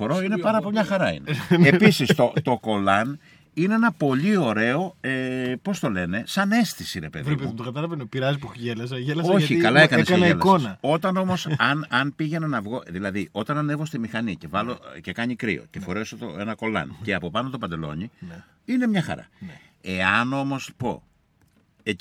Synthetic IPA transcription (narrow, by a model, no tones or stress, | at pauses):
poɾoinepɐɾɐpomɲɐxɐɾɐḭneepisist̪ot̪o̞ko̞lɐn | ineenɐpo̞ʎio̞ɾe̞o̞epo̞st̪o̞le̞ne̞sɐne̞st̪isiɾe̞pe̞ðɾipemt̪okɐt̪ɐlɐvenopiɾɐzipuʝelɐzɐʝelɐoçikɐlɐekɐnesɐnɐielɐkosnɐo̞t̪ɐno̞mo̞sɐnɐnpiʝe̞nɐnɐvɣo̞ðilɐðiʔo̞t̪ɐnɐnevo̞st̪imixɐnice̞vɐlo̞ce̞kɐɲikɾḭo̞̰ce̞fo̞ɾe̞sot̪oe̞nɐko̞lɐ̰nceɐpo̞pɐno̞t̪o̞pɐnd̪e̞lo̞̰ɲi | ine̞mɲɐxɐ̰ɾɐ̰ | e̞ɐno̞mo̞spo̞̰ | e